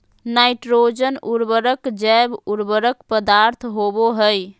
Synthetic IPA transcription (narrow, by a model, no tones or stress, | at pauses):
naɪʈɾod͡ʒənʔuɾbəɾəkd͡ʒabuɾbəɾəkpəd̪aɾt̪ʰɦoboɦəj